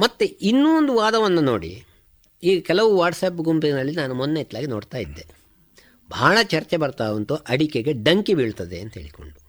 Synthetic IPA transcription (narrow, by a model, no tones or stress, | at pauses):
mɐt̪ːuinːuond̪uʋaːd̪ɐʋɐnːuno̰ːɽḭ | iːɡɐkɛlɐʋuʋaːɾʈsɐːp̬ɡumpinɐlːinaːnumɔnːejt̪laːɡinoːɽt̪aːjid̪ːe̞ | bʱaːɭɐt͡ʃɐɾt͡ʃebɐɾt̪aːʋont̪uʔɐɽikeɡe̞ɖɐŋkibiːɭt̪ɐd̪ḛɐnt̪ɐɦḛːɭiko̰ɳɖu